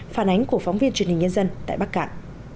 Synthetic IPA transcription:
faː˧˩nʔa˨˦jŋ̟ku˧˩əfa˨˦wŋ͡mvi˧ənt͡ɕwəh̟ɲə˧nzə˧nt̪a̰ː˧˨jɓa˦˥k̚kaː˧˩˨n

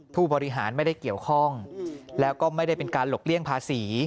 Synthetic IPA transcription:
t̪ʰuː˥˩bɔː˧ɾi˦˥ɦaː˩˦nma˥˩jda˥˩jki˨˩əwkʰɔ˥˩ŋlɛː˦˥wkɔː˥˩ma˥˩jda˥˩jpe˧nkaː˧nlo˨˩k̚li˥˩əŋpʰaː˧siː˩˦

